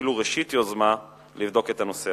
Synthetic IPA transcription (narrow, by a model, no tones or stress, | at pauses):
iluʁeʃitjo̞zma | livdo̞ke̞tano̞se